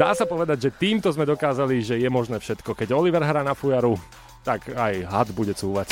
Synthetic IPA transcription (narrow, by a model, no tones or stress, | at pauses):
d̪a̰ːsapɔʋɛd̪aɟʒɛt̪iːmt̪ɔzmɛd̪ɔkaːzaliʒɛjɛmɔʒnɛːfʃɛt̪kɔkɛɟɔliʋɛɾɦɾaːnafujaɾu | t̪akajɦad̪buɟɛt͡suːʋac